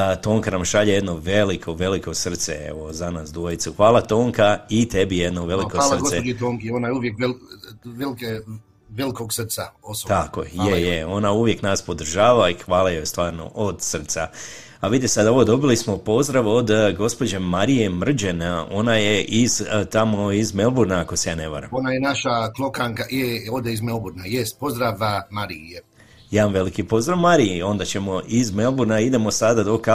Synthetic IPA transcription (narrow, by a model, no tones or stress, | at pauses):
t̪o̞ːŋkanamʃaʎeje̞d̪no̞ʋe̞likʰoʋe̞liko̞sr̩t̪sḛḛʋo̞zanaːsd̪ʋojit̪suxʋaːlˠat̪o̞ːŋkait̪e̞bijed̪noʋe̞likolaɾɡoseoet̪oːŋkionajuʋjekelʋelike | ʋelikoɡsr̩t̪saost̪ako̰jejejeo̞nauʋje̞knaːspo̞d̪r̩ʒaːʋaixʋaːlajost̪ʋaːɾno̰ʔod̪sər̩t̪sa | aʋid̪isad̪ao̞ʋod̪o̞bilismo̞po̞zd̪ɾaʋo̞d̪ɡo̞spo̞d͡ʑemaɾije̞mr̩d͡ʑeno̞naje̞ʔizt̪amo̞izme̞lˠbuɾnaːko̞sejaːne̞bo̰ɾa̰monajenaʃaklˠokaŋkajeod̪eizmelbuɾnajest̪̚po̞zd̪ɾaʋmaɾije | jaːʋamʋe̞likipo̞zd̪ɾaʋmaɾijo̞nd̪at͡ɕe̞mo̞ʔizme̞lˠbuɾnaid̪e̞mosad̪ad̪o̞ka